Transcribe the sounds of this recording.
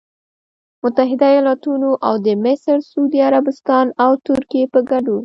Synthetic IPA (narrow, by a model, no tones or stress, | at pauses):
mʊt̪aɦɪd̪ajɑlɑt̪unoʔawd̪əmɪsɾsuud̪iaɾabɪst̪ɑnawt̪ʊɾkijepəɡaɖo